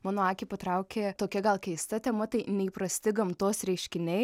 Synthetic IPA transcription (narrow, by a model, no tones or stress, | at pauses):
mɑːnoːɑːkʲepɐt̪ɾɐʊkʲeːt̪oːkʲɛɡɐlˠkʲɛɪst̪ɐt̪ʲɛːmɐt̪ɐɪnʲɛɪpɾɐsʲt̪ʲɪɡɐmt̪oːsɾʲɛɪʃʲkʲɪnʲɛɪ